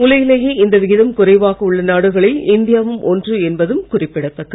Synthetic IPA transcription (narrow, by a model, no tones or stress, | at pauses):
ʊlɐjɪlɐjeːɪnd̪ɐʋɪɣɪðɐmkʊrɐɪʋaːɣɐʊɭːɐnaːɽɯɣɐɭɪlɪnd̪ɪjaːʋɯmʔɔndrɯɛnbɐðɯmkʊrɪpːɪɽɐt̪ːɐkːɐ